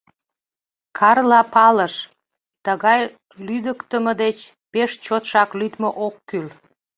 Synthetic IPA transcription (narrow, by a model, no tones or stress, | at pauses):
kʰɑrlɑpɑləʃ | t̪əɣɑj | lyd̪əkt̪əməd̪et͡ɕ | peʃt͡ɕot̪ʃɑklyt̪moʔokːyl